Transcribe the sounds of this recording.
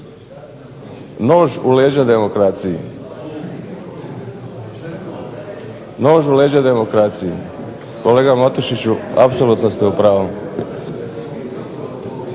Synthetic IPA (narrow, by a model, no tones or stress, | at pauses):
no̞ːʒuleːd͡ʑad̪e̞mokɾat̪sijḭ | no̞ːʒuleːd͡ʑad̪e̞mo̞kɾat̪siji | ko̞le̞ːɡamat̪oʃit͡ɕua̰psolut̪nost̪eupɾaːʋo